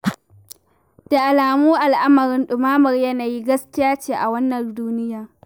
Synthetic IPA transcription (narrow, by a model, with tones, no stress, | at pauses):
d̥a˨ʔa˨laː˨muː˦ʔa˨lʔa˦mɐ˨ɾɪ˦nɗʊ˨maː˦mɐ˨rjɐ˦naː˨ji˦ɡɐ˦skʲɪ˦jaː˦t͡ʃeː˨ʔa˨wɐ˦nːɐ˨nduː˦nɪ˦jaː˨